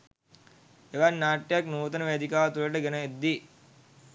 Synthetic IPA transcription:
eʋanːaːʈːejaknuːt̪ənəʋed̪ʱikaːt̪uləʈəɡenəed̪ːi

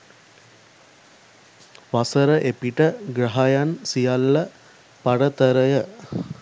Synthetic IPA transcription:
ʋasəɾəʔepiʈəɡɾaɦajansijalːə | paɽət̪əɾəjə

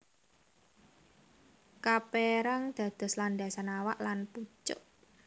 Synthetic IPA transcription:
kapeɾaŋd̪̥ä̤d̪̥ɔ̤sland̪asanawaʔlanput͡ʃʊ̰ʔ

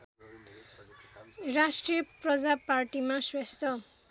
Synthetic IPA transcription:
rasʈrijʌprʌd͡zaparʈimaswest̪ʌ

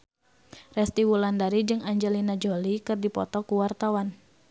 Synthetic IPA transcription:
rɛst̪iwulandaɾid͡ʒɨŋaɲd͡ʒɛlinad͡ʒolikɨrdipɔ̰t̪ɔkuwart̪awan

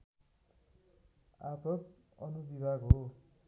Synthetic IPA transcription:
apʌk | ʌnubibʱaɡɦo

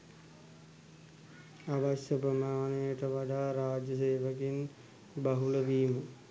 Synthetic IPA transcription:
aʋaɕjəpɾəmaːnejəʈəʋaɖaːɾaːd͡ʒəseːʋəkin | baɦuləʋiːmə

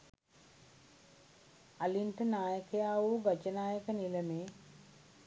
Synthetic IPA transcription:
aliɳʈənaːjəkəjaːʋuːɡat͡ʃənaːjəkəniləmeː

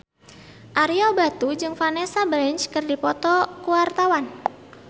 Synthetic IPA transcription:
ʔaɾiɔbat̪ud͡ʒɨŋfanesabɾɛnt͡ʃkɨrdipɔt̪ɔkuwart̪awan

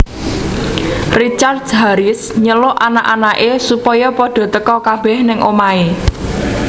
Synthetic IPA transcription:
rit͡ʃard̪̚aɾɪsɲəlʊʔanaʔanaʔesupɔjɔpɔɖ̥ɔ̤t̪əkɔkab̥ɛhnɪŋʔomae

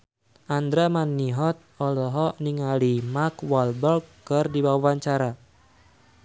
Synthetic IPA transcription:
ʔand̪ɾamanːiɦɔt̪̚ɔlɔɦɔniŋalimakwalbɔlkːɨrdiwawawaɲt͡ʃaɾa

